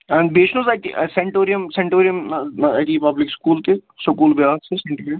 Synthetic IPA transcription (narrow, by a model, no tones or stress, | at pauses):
nbeːt͡ʃʰnõzaʈiseɳʈoːɾijəmsẽɳʈoːɾijəmaʈiːpɐblɪkskuːlt̪esʊkuːlbjaːssesẽɳʈoːɾijəm